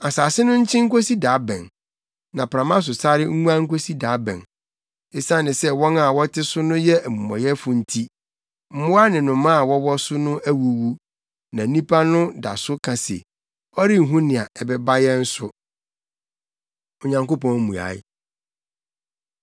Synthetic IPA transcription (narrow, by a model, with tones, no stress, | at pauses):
a˨saː˨sɪ˦nʊ̃˦ɲ̩˦t͡ɕʰɪ̃˦ŋ̩˦ko˦si˦da˨˦bɛ̰̃˨n | nã˨pɾã˨mã˦s̬ʊ˨sa˦ɾɪ˦ŋ̩˦ŋũ˦ã˦ŋ̩˦ko˦si˦da˨˦bɛ̰̃˨n | e˨sã˦˨nɪ̃˨sɛ˦wɔ̃˦na˨wɔ˦tʰɪ˦sʊ˦nʊ̃˦jɛ˦ʔæ˨mũ˨mã̰˨jɛ˦fʊ˨n̩˦tʰi˦ | m̩˦mʊ̃˦a˦nɪ̃˨nʊ̃˨mã˦a˨wɔ˦wɔ˦sʊ˦nʊ̃˦ʔæ˦wu˨wu˦ | nã˨˦nĩ˦pʰa˦nʊ̃˦da̰˨sʊ˦kʰã˨sḛ˨ | ɔ˦ɾɪ˦ŋ̩˨ɦũ˦nɪ̃˨a˨ɛ˨bɛ˦ba˦jɛ˦n̩˦sʊ˦ | o˨ɲã˨ŋko˦pʰɔ̃˨n˦mũ˨a̰˨ɪ˦